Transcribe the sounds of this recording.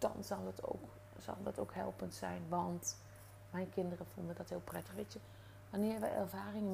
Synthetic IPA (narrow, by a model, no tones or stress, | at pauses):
d̥ɑ̰nzɑlˠtʰo̰ːk | sɑ̰lˠdɑtʰowkhɛ̰lˠpəntsɛ̰jnʋɑnt | mɛjnkɪndərəfulˠdədɔthɪːlˠprɛtəxʋeːtjə | ʋanɪːɹʋɛ̰jɛ̰rvaːrɪŋə